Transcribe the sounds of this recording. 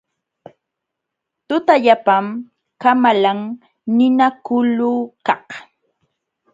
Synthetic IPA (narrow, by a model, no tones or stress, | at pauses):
t̪ʊt̪aʎapam | kamalaŋ | nɪnakʊluːkɑh